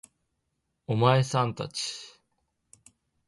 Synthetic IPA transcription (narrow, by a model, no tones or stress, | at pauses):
omaesãnt̪a̰t͡ɕi̥